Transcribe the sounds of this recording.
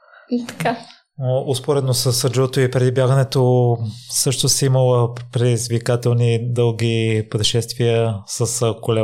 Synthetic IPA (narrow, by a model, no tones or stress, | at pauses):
it̪ɐ̥ka | ʔospoɾɛd̪nosəsəd͡ʒɔt̪oipɾɛd̪ibʲjaɡənɛt̪o | sɤʃt̪osiməlˠəpɾɛd̪izvikat̪ɛlˠnid̪ɤlˠɡ̟ipɾɛʃɛst̪viəsəskolɛ